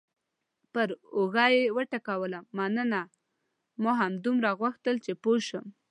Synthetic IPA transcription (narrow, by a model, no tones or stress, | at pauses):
pəɾoɣɑjewəʈakawəlamːanəna | maɦamd̪umɾaɣwaxt̪əlt͡ʃepoʃəm